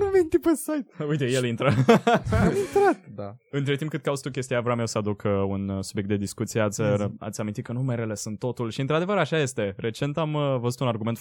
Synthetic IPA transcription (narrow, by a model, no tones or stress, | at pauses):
nument̪ipəsajt̪ujt̪e̞jelint̪ɾə | amint̪ɾat̪d̪aɨnt̪ɾe̞t̪imp̚kɨt̪̚kaust̪ukʲe̞st̪ijavoame̞wsəad̪ukʰunsubjekt̪d̪e̞d̪iskut̪sijeat̪sʲa̰t̪sʲamint̪it̪kənumeɾele̞sunt̪ːo̞t̪ulʃiɨnt̪ɾad̪e̞vəɾaʃaje̞st̪e̞re̞t͡ʃe̞nt̪amvəzut̪unarɡume̞nt̪